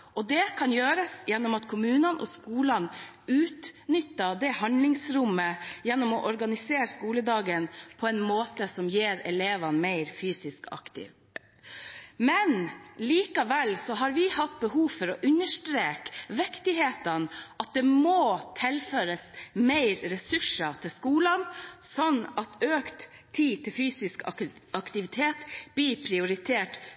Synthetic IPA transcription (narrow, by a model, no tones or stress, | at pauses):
ʔɔd̪ɛkʰɑnjøːɾəsjɛnːɔmɑt̪kʰʊmʉːnənʔɔ̰skuːlɑn | ʉːt̪nʏt̪ːɑd̪ɛhɑnd̪lɪŋsɾʊmːəjɛnːɔmɔʔɔɾɡɑnɪseːɾəskuːləd̪ɑːɡənpʰɔɛɪnmoːt̪əsɔmjeːɾɛ̰leːʋɑnmæɪɾfyːsɪskɑ̰kt̪ɪ̰ʋ | mɛnliːkɑʋɛlsɔɦɑɾʋɪhɑt̪̚ːbəɦuːʋfɔɾɔʔʉnəʂʈɾeːkʋɛkt̪ɪɦeːt̪ənʔɑt̪̚d̪ɛmoːt̪ʰɪlføːɾəsmeɪɾɾɛsʉʂət̪ʰɪlskuːlɑnsɔnːɑt̪øːkt̪ | t̪ʰːiːt̪ʰɪlfyːsɪskɑkt̪ɪʋɪt̪ʰeːt̪b̥̪ipʰɾɪʊɾɪt̪ʰeːʈ